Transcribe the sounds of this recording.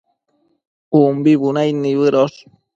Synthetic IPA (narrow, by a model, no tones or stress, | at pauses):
umbiβunajniβɨɾos